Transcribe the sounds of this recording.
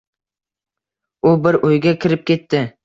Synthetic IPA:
ʊbɪɾʔojɡʲakʲʰɪɾɪp̚kʲʰe̞t̪ʰːɪ

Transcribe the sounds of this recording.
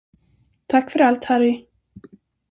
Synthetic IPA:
t̪ʰakːfœɾalt̪haɾɪ

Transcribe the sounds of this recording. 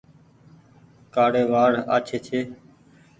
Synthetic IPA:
kaːɽeːʋaːɽa̰ːt͡ʃʰeːt͡ʃʰeː

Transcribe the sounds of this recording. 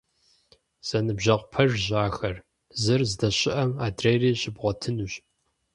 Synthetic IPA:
z̥ɐnɨbʒɐʁʷpʰɐʒʑaːxɐr | zɨrzɨdɐɕʼɪʔɐmaːdreːriːɕɪbʁʷɔtʰɨnuɕ

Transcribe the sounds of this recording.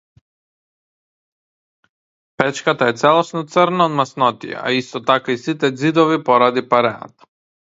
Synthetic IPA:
pɛt͡ʃkat̪aɛt̪sɛlˠɔsnɔt̪səɾnaod̪masnɔt̪ḭɛ̰a̰ist̪ɔt̪akaisit̪ɛd̪zid̪ɔvipɔɾad̪ipaɾɛna̰t̪ḁ

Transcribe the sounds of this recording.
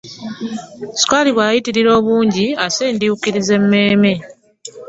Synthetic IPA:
si̥kwaliβwaːjitiɾiɾo̞ːβuːɲɟiaseːndijukiɾize̞mːe̞ːme̞

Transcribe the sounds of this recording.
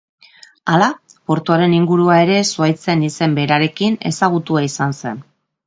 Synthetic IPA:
alapo̞ɾt̪uaɾe̞niŋɡuɾuae̞ɾe̞suajt͡se̞nise̞mbe̞ɾaɾe̞kine̞̰saɣ̞ut̪uaisanse̞n

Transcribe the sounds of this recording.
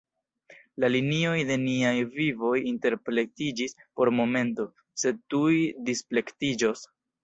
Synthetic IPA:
lalinio̞jde̞niajvivo̞jinte̞ɾpɾe̞tid͡ʒispo̞ɾmo̞me̞nto̞ | se̞d̚tujdisple̞ktid͡ʒo̞s

